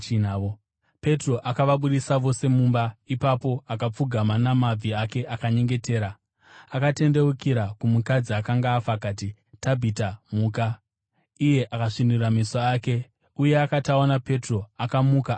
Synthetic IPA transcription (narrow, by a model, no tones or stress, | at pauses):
n | pe̞tro̞ʔakaʋaɓuɗisaʋo̞se̞muːmbaipapo̞akap͡fuɡʱamanamab͡vʱiake̞ʔakaɲe̞ŋɡe̞te̞ːɾa | akate̞nde̞ukiɾakumukad͡ziakaŋɡaːfakaːti | tabʱitamuːka | ije̞ʔakaʂinduramisoaːke̞ | uje̞akataonape̞tro̞akamuka